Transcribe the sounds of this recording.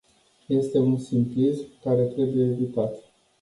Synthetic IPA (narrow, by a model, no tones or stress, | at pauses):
je̞st̪e̞unsimplismkaɾe̞t̪ɾe̞buje̞ːvit̪at̪